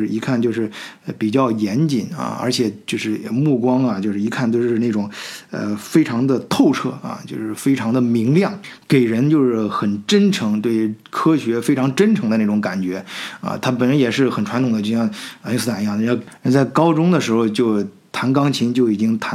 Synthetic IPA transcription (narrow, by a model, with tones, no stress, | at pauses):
ʂɻ̩˥˩i˧˥kʰa˥˧nt͡ɕjo˥˧ʊʂɻ̩˥˩˧pi˨˩t͡ɕjɑ˥˩ʊjɛ˧˥nt͡ɕi˨˩na̰˧ə̰˞˧˥t͡ɕʰjɛ˨˩t͡ɕjo˥˧ʂɻ̩˥˩mu˥˩kwɑ˥ŋɐ˨t͡ɕjo˥˧ʂɻ̩˥˩i˧˥kʰa˥˧nt̪wo˥˧ʂʂɻ̩˥˧na˥˩ʊ˨˩ŋə̰˧fe˥ɪʈ͡ʂʰɑ˧˥ŋd̪ə˧t̪ʰo˥˧ʊʈ͡ʂʰɤ˥˩ɐ̰˧t͡ɕjo˥˧ʂɻ̩˥˩˧fe˥ɪʈ͡ʂʰɑ˧˥ŋd̪ə˧mi˧˥ŋljɑ˥˩ŋke˨˩ɪɻə˧˥nt͡ɕjo˥˧ʊʂɻ̩˥˩xə˨˩nʈ͡ʂə˥nʈ͡ʂʰɤ˧˥ŋt̪we˥˩ɪkʰɤ˥ɕɥɛ˧˥fe˥ɪʈ͡ʂʰɑ˧˥ŋʈ͡ʂə˥nʈ͡ʂʰɤ˧˥ŋd̪ə˧na˥˩ʈ͡ʂʊ˧˥ŋka˨˩nt͡ɕɥɛ˧˥ɐ̰˧t̪ʰa˥pə˨˩nɻə˧˥njɛ˨˩ʂɻ̩˥˩xə˨˩nʈ͡ʂʰwa˧˥nt̪ʰʊ˨˩ŋd̪ət͡ɕjɕjɑ˥˧ŋ˧˥i˥s̩˥˩a˨˩˧jɑ˥˩ŋ˧˥˧ɻnt͡sa˥˩ɪkɑ˥ʊʈ͡ʂʊ˥ŋd̪ə˨ʂɻ̩˧˥xo˧ʊt͡ɕjo˥˩ʊ | t̪ʰa˧˥nkɑ˥ŋt͡ɕʰi˧˥ŋt͡ɕjo˥˩ʊi˨˩t͡ɕi˥ŋt̪ʰa˧˥